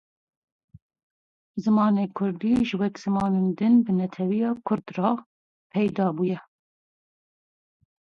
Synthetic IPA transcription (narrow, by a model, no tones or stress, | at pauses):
zɨmɑːneːkʰʊɾd̪iːʒɨwɛkz̥ɨmɑːneːnd̪ɨnbɨnɛt̪ʰɛwijɑːkʰʊɾd̪rɑː | pʰɛjd̪ɑːbuːjɛ